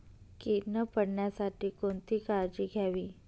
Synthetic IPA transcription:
kenəpəɽɳjasaʈʰiːkoɳt̪iːkaɾd͡ʑiːɡʱjaʋiː

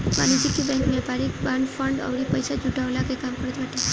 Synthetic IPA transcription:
ma̰nid͡ʒikːibɛ̃ŋkmepaɾikbaɳfəɳɖə̰ʋɾipəjsad͡ʒuʈaʋlakekamkəɾt̪ʋaʈ̪e

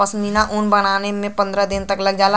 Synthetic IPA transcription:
ɔsminaʔʊnbɐɽ̃aːnemẽpɐ̃nd̪ɾəd̪ɪnt̪ɐklɐɡ̚d͡ʒaːla

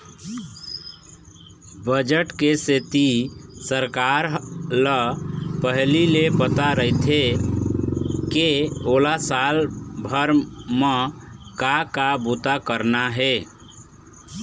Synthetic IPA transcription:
bəd͡ʒəʈkeset̪isəɾkaɾləpəɦlilepət̪aɾəit̪ʰe | keolasalbʱəɾməkakabut̪akəɾnaɦe

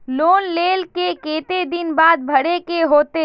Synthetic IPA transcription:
loːnleːlkekeːt̪ed̪ɪnbaːd̪̚bʱɐɽekeɦoːt̪e

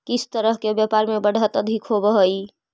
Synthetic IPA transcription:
kisʰt̪əɾəɦkebjapaɾmebəɽ̤ʱət̪əd̪ʱikɦobəɦəj

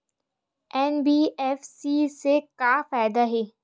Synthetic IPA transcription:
ɛːnbiːɛfsisekaːfaːɪd̪aɦɛː

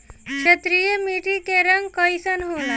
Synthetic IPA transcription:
kɕʰət̪ɾijemiʈikeɾəŋkəjsənɦola

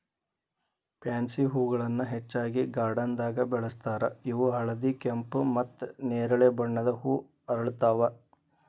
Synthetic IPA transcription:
pjaːnsiɦuːɡɐɭɐnːuɦet͡ʃːaːɡiɡaːɾɖɐnd̪aːɡɐbɛɭɐst̪aːɾɐiʋuɦɐɭɐd̪ikempmɐt̪ːneːɾɐɭebɐɳːɐd̪ɐhuː | ɐɾɐɭut̪aːʋɐ

